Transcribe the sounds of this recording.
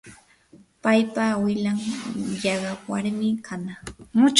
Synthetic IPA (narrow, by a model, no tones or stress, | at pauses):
pajpawɪlaŋjɑɢɑwaɾmɪkʰanamʊt͡ʃ